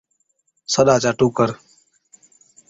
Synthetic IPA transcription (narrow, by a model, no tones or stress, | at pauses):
səɗaːt͡ʃaːʈuːkəɾ